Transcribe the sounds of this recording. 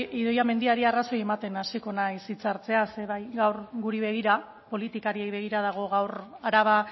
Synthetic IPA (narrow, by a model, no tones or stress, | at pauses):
iðo̞jame̞nd̪iaɾiaraso̞je̞mat̪e̞nasiko̞naisit͡saɾt͡se̞aseβajɣawɾɡuɾiβe̞ɣ̞iɾa | po̞lit̪ikaɾie̞jβe̞ɣ̞iɾað̞aɣ̞o̞ɣawɾaɾaβ̞a